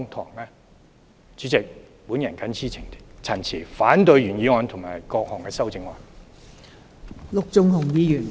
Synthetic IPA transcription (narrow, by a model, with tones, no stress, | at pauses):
ŋt̪ʰɔ̰ː˨˩ŋlɛː˥ | t͡ʃy˨˥t͡sɪ˨k̚ | puː˨˥njɐ˨˩nkɐ˨˥nt͡sʰiː˥t͡sʰɪ˨˩ŋt̪i˥t͡sʰɐ˨˩nt͡sʰiː˨˩faː˨˥nt̪ɵ˧ɥɥyː˨˩njiː˨˧ŋɔː˨˧nt̪ʰŋma̰ː˨˩jkɔː˧k̚hɔ˨˩ŋkɛː˧sɐ˥wt͡sɪ˧ŋwɔ̰ː˨n | lʊ˨k̚t͡sʊ˧ŋhʊ˨˩ŋjiː˨˧jyː˨˩n